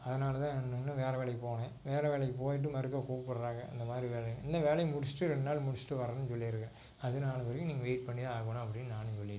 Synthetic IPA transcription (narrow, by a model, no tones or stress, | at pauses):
ɐðɐnaːlɐt̪ãːɛndɯŋnːaʋeːɾɐʋeːɭɐjpoːnẽːʋeːɾɐʋeːɭɐjp̬oːjɪʈ̬ːɯmɐɾɯk̬ːɐkuːpːɐɽɐɾaːŋɡɐɪ̰nd̪ɐmaːðɪɾiʋeːɭɐjɐ̃ɪnd̪ɐʋeːlɐjmʊɽɪsʈːɯɾɛɳːaːlmʊɽɪsʈːɯʋɐɾɐnːɯsɔlːɪɪɾɯkːɐɾẽː | ɐðɯnaːlɐʋɐɾɐkːɯ̃niːŋɡɐʋeːʈ̚pɐɳːɪðaaːɣɐnɐɐpːɐɽɪnːɯnaːnːɯsɔɭːɪ